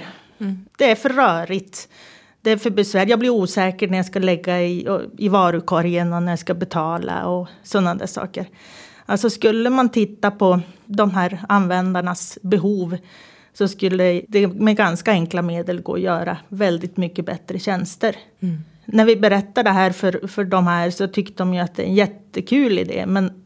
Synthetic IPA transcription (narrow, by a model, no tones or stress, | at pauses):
d̪̥ɛæɾfœːœːɾɪt̪ | d̪ɛæɾfœbɛsvæːɾjaːɡblɪɾuːsɛːkəɳæɾjaskalɛɡːaɪ̰ɪvɑːɾʉkʰɔɾɪənɔnæɾjaskabɛt̪ʰɑːla̰ɔ | sɔnːad̪æ̰ʂɑ̰ːkəɾ | alsɔskɵlːəmant̪ʰɪt̪ːapʰɔd̪ɔmɦæːɾanvɛnd̪aɳasbɛɦuːv | sɔskɵlːəd̪ɛmɛɡanskaɛŋklameːd̪əlɡo̰ːjœːɾa̰vɛld̪ɪt̪mʏkːəbɛt̪ːɾəɕɛnst̪əɾ | næɾvɪbɛɾɛt̪ːaɖɛɦæːɾfœɾfœɖɔmɦæːɾsɔt̪ʰʏkt̪əd̪ɔmjɵat̪̚d̪ɛ̰ɾɛnjɛt̪ːəkʰʉːlɪ̰d̪ḛːmɛn